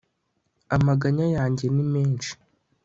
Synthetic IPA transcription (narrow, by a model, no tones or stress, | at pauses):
amaɡaɲajaːɲɟe̞nime̞ːnʃi̥